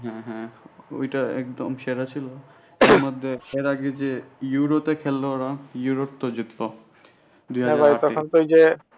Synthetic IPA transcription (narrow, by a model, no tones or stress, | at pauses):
ɦɛ̃ɦɛ̃o̰jʈaɛ̰kd̪omʃeɾat͡ɕʰilo | ɾmɔd̪ʱːeeɾaɡed͡ʑejuɾotekʰelːoɾajuɾop̚t̪od͡ʑit̪ːo | d̪ujɦaɛ̃bʱajt̪ɔkʰont̪ojd͡ʑe